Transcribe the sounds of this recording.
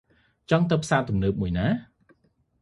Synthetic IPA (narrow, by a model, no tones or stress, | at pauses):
t͡ɕɑŋt̪ɨwpʰsaːt̪umnəːp̚muəjnaː